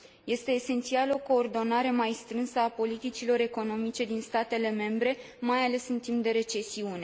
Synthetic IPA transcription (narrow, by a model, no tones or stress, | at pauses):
je̞st̪e̞ːse̞nt̪sialo̞ko̞ːrd̪o̞naɾe̞majst̪ɾɨnsəapo̞lit̪it͡ʃilo̞ɾe̞ko̞no̞mit͡ʃe̞d̪inst̪at̪e̞le̞me̞mbɾe̞ | majale̞sɨnt̪imp̚d̪e̞ɾe̞t͡ʃe̞siune̞